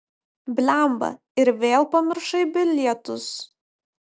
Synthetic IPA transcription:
bʲlʲæˑmbɐ̰ | ɪɾʋʲeːlˠpɐmʲɪɾʃɐɪbʲɪlʲɛt̪ʊs

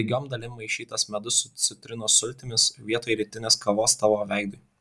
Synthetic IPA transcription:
ɪɡʲoːmd̪ɐlʲɪmːɐɪʃʲiːt̪ɐsmʲɛd̪ʊsʊt̪sʲɪt̪ʲɾʲɪnoːsʊlʲt̪ʲɪmʲɪsʋʲiɛt̪oːjɾʲit̪ʲɪnʲeːskɐʋoːst̪ɑʋoːʋʲɛˑɪɡd̪ʊ

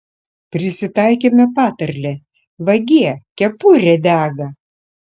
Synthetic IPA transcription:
pʲɾʲɪsʲɪt̪ɐˑɪkʲeːmʲɛpɑːt̪ɐɾʲlʲe | ʋɐɡʲiɛkʲɛpuɾʲɛd̪ʲæːɡɐ

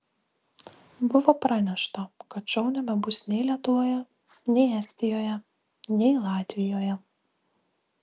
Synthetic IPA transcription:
bʊʋopɾɑːnʲɛʃt̪ɐkɐt̪t͡ʃʲɛʊnʲɛbʲɛbʊsʲnʲɛɪlʲiɛt̪ʊʋoːjɛ | nʲɛɪæsʲt̪ʲɪjoːjɛ | nʲɛɪlˠɑːt̪ʲʋʲɪjoːjɛ

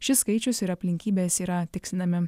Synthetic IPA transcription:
ʃʲɪskɐɪt͡ʃʲʊsɪɾɐpʲlʲɪŋʲkʲiːbʲeːsiːɾɐt̪ʲɪksʲɪnɐmʲɪ

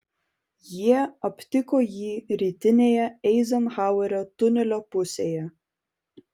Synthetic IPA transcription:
jiɛɐpʲt̪ʲɪkoːjiːɾʲiːt̪ʲɪnʲejɛɛɪzɐmhɑʊɛɾʲot̪ʊnʲɛlʲopʊsʲejɛ

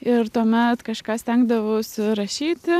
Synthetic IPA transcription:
ɪɾt̪uɔmʲɛt̪kɐʃkɑːsʲt̪ʲɛŋɡd̪ɐʋoːsɾɐʃʲiːt̪ʲɪ

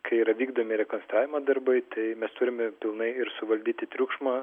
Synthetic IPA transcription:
kʰɐɪiːɾɐʋʲiːɡd̪oːmʲɪɾʲɛkɔnst̪ɾɑːʋʲɪmɐːd̪ɐɾbɐɪt̪ɐɪmʲɛst̪ʊɾʲɪmʲɛpʲɪlˠnɐɪɪɾsʊʋɐlʲd̪ʲiːt̪ʲɪt̪ʲɾʲʊkʃmɐː

